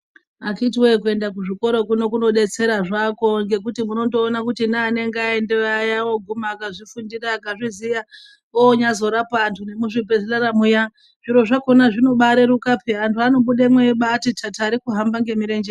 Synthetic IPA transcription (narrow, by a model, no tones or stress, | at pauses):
akitiwek̬ue̞ndakuʐiko̞ɾo̞kuno̞kuno̞ɗe̞t͡se̞ɾaʐako̞ŋɡe̞kutimuno̞ndo̞ːnakutinaːne̞ŋɡeaendejawo̞ɡʱumaːkaʐifundiɾaːkaʐizija | oɲazo̞ɾapantʰune̞muʐibe̞zelaɾamuja | ʐ̥iɾo̞ʐako̞naʐino̞ɓaɾeɾukapʰeantʰuano̞ɓuɗemweɓatitʰataɾikuɦambaŋɡe̞miɾend͡ʒe